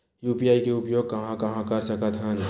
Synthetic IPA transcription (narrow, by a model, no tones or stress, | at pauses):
juːpijaːikeʊpjoːɡ̚kɐɦãkɐɦãkɐɾsəkət̪ɦən